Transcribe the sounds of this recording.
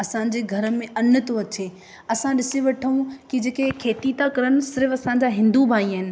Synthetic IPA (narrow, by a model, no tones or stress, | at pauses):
ɐsãɲ̆d͡ʑeːɡʱɐɾə̆mẽɐnʊ̆t̪oɐt͡ɕe | ɐsãɗɪseʋɐʈʰəũkid͡ʑeːkekʰeːt̪it̪akɐɾənɪ̆sɪɾfɐsãːɲ̆d͡ʑaɦɪ̃nd̪ubʱaːiəɦɪnɪ̆